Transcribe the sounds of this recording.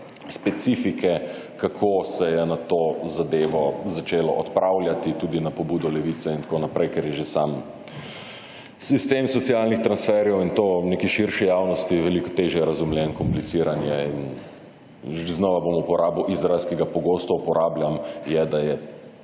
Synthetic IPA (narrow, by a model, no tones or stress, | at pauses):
spɛt̪sifikʰɛ | kakʰosɛjɛnat̪ozad̪eːʋɔzat͡ʃeːlɔʔɔt̪pɾʔawlʲjat̪it̪uːd̪inapɔbuːd̪ɔlɛʋit̪sɛint̪konapɾɛjkɛɾjɛʒesam | sist̪eːmsɔt̪sialnixt̪ɾansfɛɾjɛwint̪oːneːkiʃiɾʃɛjawnɔst̪iʋɛlikɔ̥t̪eːʒɛjɛɾazumljɛnkɔmplitsiːɾanjɛin | ʒiznɔʋabomupɔɾaːbuʔizɾaɪlskɛɡapɔɡoːst̪ɔupɔɾʔaːblʲjamjɛd̪ajɛ